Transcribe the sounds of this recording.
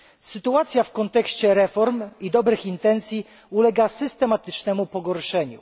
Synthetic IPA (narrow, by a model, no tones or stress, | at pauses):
sɘt̪uat̪sʲjafkɔnt̪ɛkɕt͡ɕɛɾɛfɔɾmid̪ɔbɾɘxint̪ɛnt̪sʲji | ulɛɡasɘst̪ɛmat̪ɘt͡ʂnɛmupɔɡɔɾʂɛɲṵ